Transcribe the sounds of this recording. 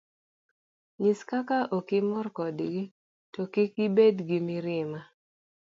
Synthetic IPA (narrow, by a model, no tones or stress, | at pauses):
ɲiskakaʔokimɔrkɔdɡi | tɔkikibedɡimɪɾɪma